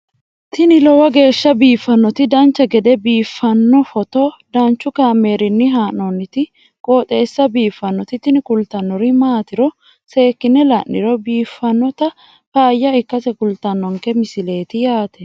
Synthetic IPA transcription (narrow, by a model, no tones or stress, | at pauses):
t̪ɪnɪlɔwɐɡe̞ːʃːɐbiːfːɐnːɔt̪ɪd̪ɐnt͡ʃːɐɡɛd̪ɛbiːfːɐnːɔfɔt̪ɔd̪ɐnt͡ʃːʊkaːmːe̞ːɾɪnːɪɦaːnɔnːɪt̪ɪ | kʼoːt̪ʼe̞ːsːɐbiːfːɐnːɔt̪ɪt̪ɪnɪkʊlt̪ːɐnːɔɾɪmaːt̪ɪɾɔ | se̞ːkːɪnːɛlɐnːɪɾɔbiːfːɐnːɔt̪ɐ | paːjːɐɪkːɐsɛkʊlt̪ɐnːɔŋkɛmɪsɪle̞ːt̪ɪjaːt̪ɛ